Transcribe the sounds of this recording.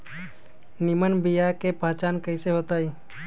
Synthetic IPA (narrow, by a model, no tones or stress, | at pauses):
nimənbijakepaːt͡ʃaːnkəiseɦoːt̪aːiː